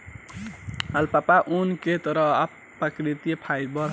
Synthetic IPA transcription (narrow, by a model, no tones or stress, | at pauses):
əlpapaʔunket̪əɾʌɦa | pːəkɾit̪ijepʰajɾbʌɾ